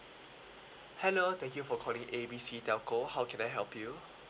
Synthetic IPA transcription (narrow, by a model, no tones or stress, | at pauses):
hɛlot̪ʰɛ̃ŋkjufɔkʰɔlĩŋʔebisitɛʊkohaʊwkʰɛ̃naɪɦɛlpʰju